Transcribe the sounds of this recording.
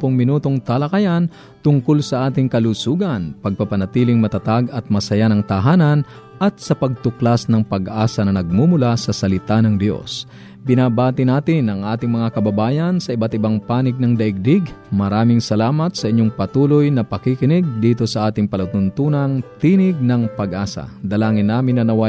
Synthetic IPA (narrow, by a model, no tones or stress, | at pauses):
pʊŋmɪnuːt̪oŋt̪ɐlɐkɐjan | t̪ʊŋkʊlsɐʔaːt̪ɪŋkɐlusuːɡɐnpɐɡ̚pɐpɐnɐt̪iːlɪŋmɐt̪ɐt̪aɡɐt̪̚mɐsɐjanɐŋt̪ɐɦaːnɐn | ʔɐt̪̚sɐpɐɡ̚t̪ʊklasnɐŋpɐɡʔaːsɐnɐnɐɡ̚mumʊlasɐsɐlɪt̪anɐŋd̪jo̞̰s | bɪnaːbaːt̪ɪnaːt̪ɪnʔɐŋʔaːt̪ɪŋmɐŋakɐbɐbaːjɐnsɐʔɪbat̪ɪbaŋpaːnɪɡ̚nɐŋd̪ɐʔɪɡ̚d̪ɪɡmɐɾaːmɪŋsɐlaːmɐt̪̚sɐʔɪɲːoŋpɐt̪uːlojnɐpɐkikɪnɪɡ̚d̪iːt̪o̞sɐʔaːt̪ɪŋpɐlɐt̪ʊnt̪uːnɐŋt̪iːnɪɡ̚nɐŋpɐɡʔaːsɐ̰d̪ɐlaːŋɪnːaːmɪnːɐnɐwa